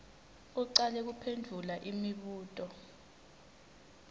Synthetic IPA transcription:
uǀalɛk̬upʰendʱulaʔimiɓuːtʼɔ

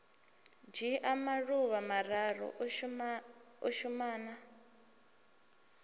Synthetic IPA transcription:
d͡ʒiʔamaɺuβamararɔ̰ | ɔʃumaːna

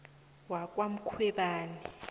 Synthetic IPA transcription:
wak̬ʼwam̩kʰwɛɓaːni

